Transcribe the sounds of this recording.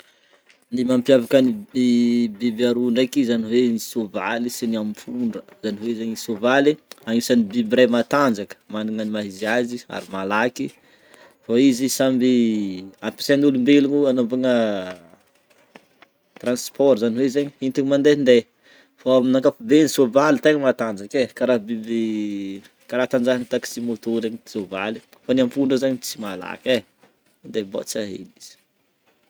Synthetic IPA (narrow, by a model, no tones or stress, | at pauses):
nimampjavakəniibibaɾuɳɖ͡ʐajkizaniwenisova̰lisiniampʰuɳɖ͡ʐəzaniɦwezeɲisovaliaŋisanibibɾemat̪and͡zakə̥maniŋənimaɦiziazia̰ɾimalaki | faizisambiapi̥sanulumbeliɲuanopaŋə | t̪ranspʰɔɾzaniwezeɲiint̪iɲimand̪end̪e | faaminakafubenisovalit̪eŋəmat̪and͡ʒakekaɾabebe | kaɾat̪and͡ʒaɦanit̪aki̥simot̪oɾeɲizovali | fanamfuɳɖ͡ʐəzaɲit͡simala̰ke | nd̪eba̰t͡saɦḛniz̥i̥